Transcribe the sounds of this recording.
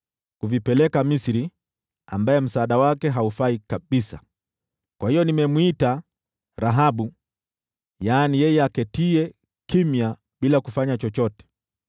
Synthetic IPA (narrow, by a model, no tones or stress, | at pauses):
kuvipɛlɛkamisiɾi | ambajɛm̩saːɗawakɛɦaufaikaɓisa̰ | kwahijɔnimɛmuita | ɾaɦaɓu | jaːnijɛjɛakɛtiɛ | kimja | ɓilakufaɲat͡ʃɔt͡ʃɔtɛ̥